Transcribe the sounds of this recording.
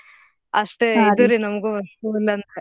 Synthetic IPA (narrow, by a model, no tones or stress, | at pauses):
ɐʂʈeid̪uɾinɐmɡuʋɐsuilːɐnt̪e